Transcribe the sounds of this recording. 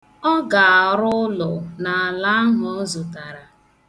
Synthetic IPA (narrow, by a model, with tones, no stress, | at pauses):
ɔ˦ɡa˨a˨ɾʊ˦lɔ˨na˨a˨la˦a˦ɦɔ˨ɔ˦zʊ˨ta˨ɾa˨